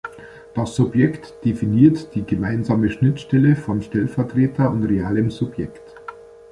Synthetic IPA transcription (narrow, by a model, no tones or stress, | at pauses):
d̥asz̥ʊpjɛktd̥efiniːɐtd̥iːɡəmaɪnzaːməʃnɪtʃtɛləfɔnʃtɛlfɛɐtʁ̥eːtʰɐʊntʁeaːləmzʊpjɛkt